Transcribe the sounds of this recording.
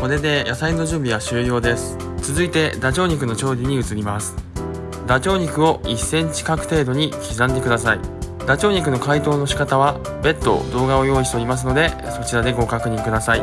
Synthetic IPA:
ko̞ɾe̞d̪e̞jʔasainːo̞ʑɨ̃mbʲiβ̞aɕɨːjo̞ːd̪e̞sɨ̥ | t͡sɨzɨit̪e̞d̪at͡ɕo̞ːɲ̟ik̬ɯ̟no̞t͡ɕo̞ːɾʲiɲ̟iɯ̟t͡sɨɾʲimasɨ̥ | d̪at͡ɕo̞ːɲ̟ikɯ̟o̞isːẽ̞ɲ̟t͡ɕi̥kakɯ̟t̪e̞ːd̪o̞ɲ̟ikʲizãnd̪e̞kɯ̟d̪asai | d̪at͡ɕo̞ːɲ̟ik̬ɯ̟no̞kait̪o̞ːno̞ɕi̥kat̪aβa | be̞t̪ːo̞̰d̪o̞ːɡao̞jo̞ːiɕt̪e̞o̞ɾʲimas̬ɨno̞d̪e̞ | so̞t͡ɕiɾad̪e̞ɡo̞kakɯ̟ɲ̟ĩŋkɯ̟d̪asai

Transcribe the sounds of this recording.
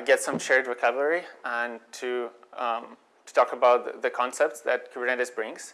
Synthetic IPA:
ɡɛtsʌ̃mʃɛɹdɹɨkʰʌvəɹiə̃ntʰu | tʰu̥tʰɔkəbaʊt̪̚ðəkʰɔ̃nsɛp̚tsðæt̚kʰpɾɛ̃nɾɨsbɹɪ̃ŋz̥

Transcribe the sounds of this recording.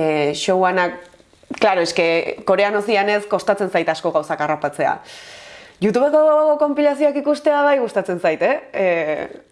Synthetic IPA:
ʃo̞wanak | kːlaɾo̞e̞ske̞ko̞ɾe̞anosiane̞sko̞st̪at͡se̞nsajt̪asko̞ɣawsakarapat͡se̞a̰ | ʝut̪̬uβe̞koko̞mpilasio̞akikust̪eaβ̞ajɣ̞ust̪at͡se̞nsajt̪e

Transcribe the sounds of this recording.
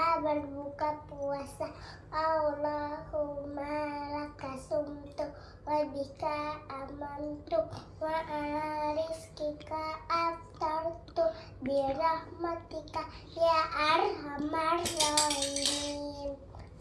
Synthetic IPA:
abalbukapuasa | awlahumalakasumt̪u | abikaːmant̪u | wãʔːɾiskikaːt̪aɾt̪u | biɾahmat̪ika | jaʔaɾɦamaɾlanin

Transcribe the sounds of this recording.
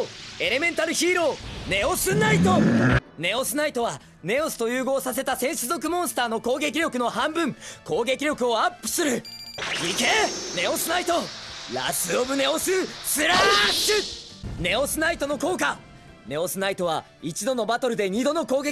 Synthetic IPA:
e̞ɾe̞mẽ̞nt̪aɾɯ̟çiːɾo̞ːne̞o̞sɨnait̪o̞ne̞o̞sɨnait̪o̞βa | ne̞o̞sɨ̥t̪o̞jɯːɡo̞ːsase̞t̪asẽ̞ɰ̃ɕɨzo̞k̬ɯ̟mõ̞ɰ̃sɨ̥t̪aːno̞ko̞ːɡe̞k̬ʲiɾʲo̞kɯ̟no̞hãmbɯ̟̃ŋko̞ːɡe̞kʲiɾʲjo̞kɯ̟o̞apːɯ̟̥sɨɾɯ̟ | ikene̞o̞sɨnait̪o̞ɾa̰sɨobɯ̟ne̞o̞sɨsɨɾaɕɨ | ne̞o̞sɨnait̪o̞no̞ko̞ːk̬a | ne̞o̞sɨnait̪o̞βa | it͡ɕid̪o̞no̞bat̪o̞ɾɯ̟d̪e̞ɲ̟id̪o̞no̞ko̞ːɡe

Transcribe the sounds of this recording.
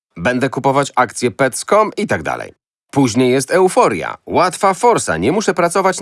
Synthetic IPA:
bɛnd̪ɛkupɔvat͡ɕakt̪sʲjɛpɛt̪skɔmit̪aɡd̪a̰lɛ̰j | puʑɲejːɛs̬t̪ɛwfɔɾʲja̰wat̪fafɔɾsa̰ɲɛmuʂɛpɾat̪sɔvat͡ɕ

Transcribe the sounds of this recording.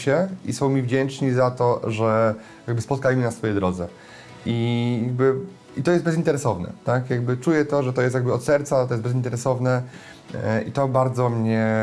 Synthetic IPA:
ɕɛisɔ̃w̃mʲivd͡ʑɛnt͡ʂɲizat̪ɔʐɛ | jaɡ̚bɘspɔt̪̚kajmɘnasfɔjɛd̪ɾɔd̪zɛ | ijaɡ̚bɘ | it̪ɔjɛst̪bɛzint̪ɛɾɛsɔvnɛ̰t̪akjaɡbɘt͡ʂujɛt̪ɔʐɛt̪ɔjɛst̪jaɡbɘɔt̪sɛɾt̪sat̪ɔjɛszbɛzʲint̪ɛɾɛsɔvnɛ | ʔit̪ɔbaɾd̪zɔmɲɛ

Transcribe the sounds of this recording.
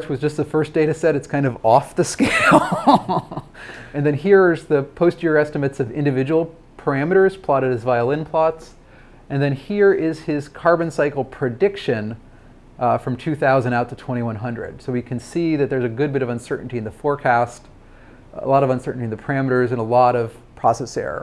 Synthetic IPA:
t͡ʃwʌzd͡ʒʌst̪̚ðəfɜ˞sd̥eɪɾɨsɛɾɨtskʰãɪ̃ndʌvɔfðɨskeɪlˠ | ɨ̃nðɨ̃nɦiɹzðɨpʰoʊstʊɹɛstɨmɨtsʌvɪ̃ndɨvɪd͡ʒəwl̩ˠ | pʰə˞æmɨɾə˞z̥pʰl̥ɑɾɨɾ̚ɨzvaɪəlˠɪ̃npʰl̥ɑts | ɨ̃nðɨ̃nhiɹɪz̥ɪz̥kʰɑɹbɨ̃nsaɪkl̩ˠpʰɹ̥ɨdɪkʃɨ̃n | fɹʌ̃mtʰʉθaʊzɨ̃ndaʊtʰɨtʰw̥ɛ̃ɾ̃iwʌ̃nɦʌ̃ndɹɨ̰d̥soʊwikʰɨ̃nsiðɨt̪̚ðə˞zɨɡʊd̚bɪɾʌvə̃nsɜ˞ʔn̩tiɨ̃nðəfɔɹkʰæst | ə̰lɔɾʌvə̃nsɜ˞ʔn̩tiɨ̃nðɨpʰə˞æmɨɾə˞zɨ̃nəlɔɾʌv̥ | pʰɹ̥ɑsɛsɛ̰ɹə̰

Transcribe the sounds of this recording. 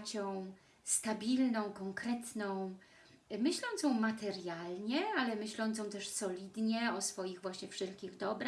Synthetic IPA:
t͡ɕɔ̃w̃ | st̪abʲilnɔ̃w̃kɔŋkɾɛt̪nɔ̃w̃ | mɘɕlɔ̃nt̪sjɔ̃w̃mat̪ɛɾjalɲɛalɛmɘɕlɔ̃nt̪sjɔ̃t̪ɛʂsɔlʲid̪ɲɛɔsfɔjiɣvwaɕɲɛfʂɛlkʲiɣd̪ɔbɾa

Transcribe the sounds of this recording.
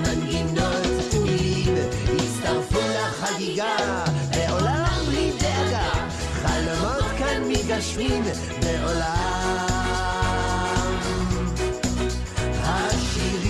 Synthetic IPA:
maninottuim | it͡st̪aʁfulaχaɡiɡa | beʔolamblideaɡa | χalomot̪kanmiɡaʃmim | beʔola | haʃiʁ

